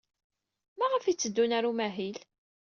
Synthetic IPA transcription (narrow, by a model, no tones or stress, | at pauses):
mæʁəfit͡sːəd̪ːunæɾumæɦil